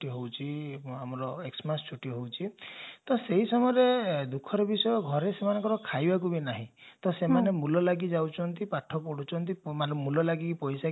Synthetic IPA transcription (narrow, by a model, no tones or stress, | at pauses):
iɦowt͡ʃʰiamɔɾɔeksmast͡ʃʰuʈiɦowt͡ʃʰit̪ɔseɦisɔmɔjɔɾed̪ukʰɔɾɔbisɔjɔɡʱɔɾesemanɔŋkɔɾɔkʰajbakubinaɦḭ̃t̪ɔsemanemulɔlaɡid͡ʒawt͡ʃʰɔnt̪ipaʈʰːɔpɔɽ̤ut͡ʃʰɔnt̪imaɔmːulɔlaɡipɔjsa